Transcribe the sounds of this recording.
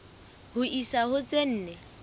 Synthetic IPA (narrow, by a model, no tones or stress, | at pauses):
hʊisahʊt͡sʼen̩ːnɛ